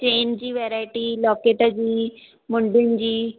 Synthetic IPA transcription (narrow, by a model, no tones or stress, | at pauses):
t͡ɕeːnd͡ʑiːʋɛɾaːɪʈiːlɔːkeʈ̪ad͡ʑiː | mʊɳɖind͡ʑiː